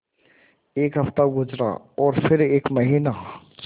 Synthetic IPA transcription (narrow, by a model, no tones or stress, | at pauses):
eːkɦɐft̪aɡʊd͡ʒɾa̰ː | ɔːɾfɪɾeːkmɐɦiːna